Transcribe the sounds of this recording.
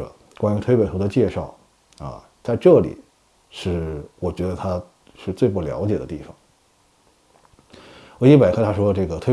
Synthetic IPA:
kwa˥ny˧˥t̪ʰwe˥ɪpe˨˩ɪt̪ʰd̪ə˧t͡ɕjɛ˥˧ʂɑ˥˩ʊ | ɐ̰˧ | t͡sa˥˧ɪʈ͡ʂɤ˥˩lḭ˨˩˦ | ʂɻ̩˥˩wɔ˨˩t͡ɕɥɛ˧˥d̪ə˧t̪ʰa˥ | ʂɻ̩˥˧t͡swe˥˧ɪp̬u˥˩ljɑ̰˧˥ʊt͡ɕjɛ˨˩d̪ə̰˦t̪i˥˩fɑ̰˨˩ŋ | ə˧˥i˥˩pa˨˩ɪkʰɤ˧˥t̪ʰa˥ʂwɔ˥˧ʈ͡ʂɤ˥˩ɡə˩t̪ʰwe˥

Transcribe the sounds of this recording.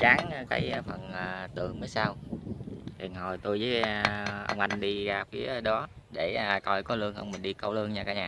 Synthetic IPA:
t͡ɕaː˨˦ŋː˧ka̰ː˨˦jfə˨˩nəː˨˩t̪ɨ̰˧˩˨əŋməː˨˦jsaː˧w | li˨˩ənɦo˨˩jt̪u˧jzəː˨˦ʔə̰˧wŋ͡mʔa˧jŋ̟ɗi˧ɣaː˨˩p̚vi˨˦˧ɗɔ˨˦ɗe˧˩a˨˩kɔ˧˩jkɔ˨˦lɨ˧əŋhə˧wŋ͡mmï˨˩nɗi˧kə˧wlɨ˧əŋɲaː˧˩kaː˧˩ɲaː˨˩

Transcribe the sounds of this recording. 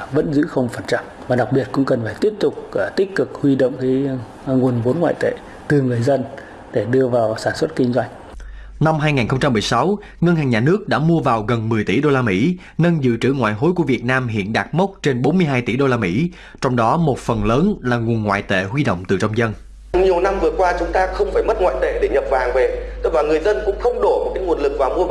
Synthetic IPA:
və̰˧˥nzɨ̰˧˥xə˧wŋ͡mfə˨˧˩nt͡ɕa˧˩mvaː˨˩ɗa˨˩k̚ɓi˨˩ət̚kʊ̰˧˥ŋ͡mkə˨˩nfaː˧˩jt̪i˦˥əp̚t̪ʊ˨˩k͡p̚ːt̪i˦˥k̚kɨ˨˩k̚hwi˧ɗo̰˧˨wŋ͡mki˨˦ | ŋu˨˩ənvo˨˦nŋwa̰ː˧˨jt̪ḛ˧˨ | t̪ɨ˨˩ŋɨ˨˩əjzə˧n | ɗe˧˩ɗɨ˧əvaː˨˩wsaː˧˩nswə˦˥t̚ki˧ŋ̟zwa˧jŋ | na˧mɦaː˧jŋaː˨˩nxə˧ŋ͡mt͡ɕa˧mːɨ˨˩əjsa˨˦w | ŋə˧nha˨˩ŋ̟ɲaː˨˩nɨ˦˥ək̚ɗa̰ː˧˥mu˧əvaː˨˩wɣə˨˩nmɨ˨˩əjt̪ḭ˧˩ɗo˧laː˧mḭ˧˥ | nə˧nzɨ̰˧˨t͡ɕɨ̰˧˩ŋwa̰ː˧˨jɦo˨˦jku˧˩əvi˨˩ət̚naː˧mɦḭ˧˨ənɗaː˨˩t̚mə˦˥wk͡p̚t͡ɕe˧nɓo˨˦nmɨ˧əjɦaː˧jt̪ḭ˧˩ɗo˧laː˧mḭ˧˥ | t͡ɕɔ˧wŋ͡mɗɔ˨˦mo˨˩t̚fə˨˩nləː˨˦nlaː˨˩ŋu˨˩ənŋwa̰ː˧˨jt̪ḛ˧˨ɦwi˧ɗo̰˧˨wŋ͡mt̪ɨ˨˩t͡ɕɔ˧wŋ͡mzə˧n | ɲi˨˩əwna˧mvɨ˨˩əkwaː˧t͡ɕʊ˨˦ŋ͡mt̪aː˧xə˧wŋ͡mfaː˧˩jmə˦˥t̚ŋwa̰ː˧˨t̪e˧˩ɗe˧˩ɲə˨˩p̚vaː˨˩ŋve˨˩t̪ɨ˦˥k̚vaː˨˩ŋɨ˨˩əjzə˧nkʊ̰˧˥ŋ͡mxə˧wŋ͡mɗo˧˩mo˨˩kaː˨˦jŋu˨˩ənlɨ˨˩k̚vaː˨˩wmu˧ə

